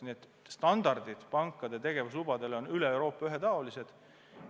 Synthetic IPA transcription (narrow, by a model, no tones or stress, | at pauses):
niet̪ː | st̪ɑnd̪̥ɑrd̪̥id̪̥pɑŋkːˑɑd̪̥e̞t̪e̞ɡ̥e̞vuslub̥ɑd̪e̞lo̞nyleewɾo̞ːpːˑɑyɦe̞t̪ɑolise̞d̪̥